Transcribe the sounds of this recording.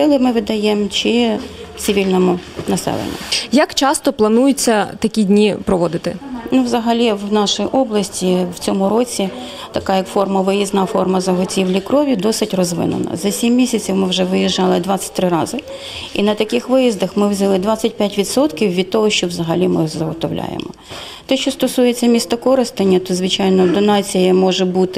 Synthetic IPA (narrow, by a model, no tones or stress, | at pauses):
ɪlˠɪmɪʋɪd̪ɐjemt͡ʃi | t͡ssʲɪʋʲilʲnɔmʊnɐsɛ̰lˠḛnʲːʊ̰jɐkt͡ʃɑst̪ɔplˠɐnujʊt͡sʲːɐt̪ɐkʲidʲnʲipɾɔʋɔd̪ɪt̪ɪ̰nuʋzɐɦɐlʲiwnɑʃɪjʔɔblˠɐsʲtʲiw̥t͡sʲɔmʊɾɔt͡sʲi | t̪ɐkɑjɐkfɔrmɐʋɪjiznɑfɔrmɐzɐɦɔtʲiwlʲikɾɔʋʲid̪ɔsɪtʲrɔzʋɪ̰nʊ̰nɐ̰zɐsʲimːʲisʲɐt͡sʲiwmɪwʒɛʋɪjiʒɑlˠɪd̪ʋɑsʲɐ̥t̚ʲt̪ɾɪɾɑzɪ | inɐt̪ɐkɪxʋɪjizd̪ɐxmɪwzʲɐlˠɪd̪ʋɑt͡sʲːɐt̚ʲpʲjatʲʋʲid̪sɔt̪kʲiwʋʲid̪̚t̪ɔɦɔʃt͡ʃɔwzɐɦɐlʲimɪzɐɦɔt̪ɔwlʲʔa̰jḛmɔ | t̪ɛʃt͡ʃɔst̪ɔsujet͡sʲːɐmʲist̪ɔkɔɾɪst̪ɪnʲːɐt̪ɔzʋɪt͡ʃɑjnɔd̪ɔnɑt͡sʲijɐmɔʒɛbut̪ɪ